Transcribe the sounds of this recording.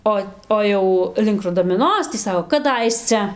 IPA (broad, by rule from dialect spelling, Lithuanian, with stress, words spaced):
ˈoː ˈoː jɛʊ lʲɪŋk rʊdɐmʲɪˈnoːs tʲiː ˈsɑːkoː kɐˈdɐɪsʲt͡sʲɛ